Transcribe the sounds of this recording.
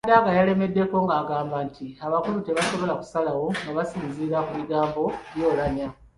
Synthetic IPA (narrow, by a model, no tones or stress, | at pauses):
daɡajale̞me̞dːe̞ko̞ŋɡaːɡaːmbantʰiaβakulute̞βaso̞βo̞laku̥salawo̞ŋɡaβasiːnziɾakumiɡaːmbo̞ljo̞ːlaɲa